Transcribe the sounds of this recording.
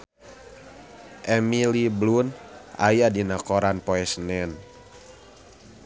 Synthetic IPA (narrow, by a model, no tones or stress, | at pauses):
ʔɛmilibluna̰jadinakɔɾanpɔɛsnɛn